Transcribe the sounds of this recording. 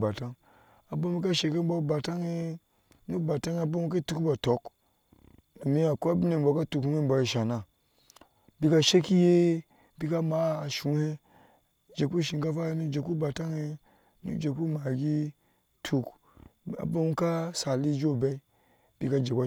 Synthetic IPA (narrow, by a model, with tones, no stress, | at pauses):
ba˨ta˦ŋ | a˨ba˦mi˦ka˦ʃe˨ke˦m˦ba˦ba˨ta˦ŋe˦ | nu˦ba˨ta˦ŋ˦a˨ba˦mu˦k̬a˦tu˦kba˨to˨˦k | mi˦a˨ku˦a˦bi˦ne˨m˨bo˨ka˦tu˨khu˦he˦mba˨ji˨ʃa˨na˨ | bi˦ka˦ʃe˦ki˦je˦ | bi˦ka˦ma˨˦˨ʃu˨˦he˦ | d͡ʒe˨ku˦ʃi˨ŋka˦fa˦nu˦d͡ʒe˨ku˦ba˨ta˦ŋe˦ | nṵ˦d͡ʒe˨ku˦ma˨ɡi˦ | tʰu˦k | a̰˨ba˦mu˦ka˦sa˨li˦d͡ʒo˦˨ba˦i˦ | bi˦ka˦d͡ʒe˨ka˦